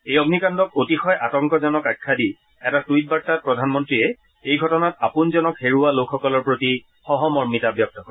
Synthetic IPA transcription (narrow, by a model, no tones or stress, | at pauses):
ejɔɡnikandɔk̚otixɔjʔatɔŋkɔzɔnɔkakʰːadi | ɛtatuit̚baɹ̚tat̚pɹɔdʱanmɔntɹiɛ | ejɡʱɔtɔnatapunzɔnɔkheɹualokʰxɔkɔlɔɹpɹoti | xɔɦɔmɔɹmitabjɔp̚takɔ